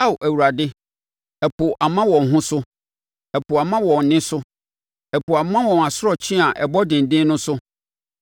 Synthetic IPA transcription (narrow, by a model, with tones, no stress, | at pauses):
a˦˨wʔæ˨wu˨ɾa˨dɪ˦ | ɛ˨pʰʊ˨ʔa˨mã˦wɔ̃˨n˨ɦʊ̃˦sʊ˦ | ɛ˨pʊ˨a˨mã˦wɔ̃˨n̩˨nɪ̃˦sʊ˦ | ɛ˨pʰʊ˨a˨mã˦wɔ̃˨na˨sʊ˦ɾɔ˨t͡ɕʰĩ˦a˨ʔɛ˨bɔ˦dɪ̃˨n˨dɪ̃˦nʊ̃˦sʊ˦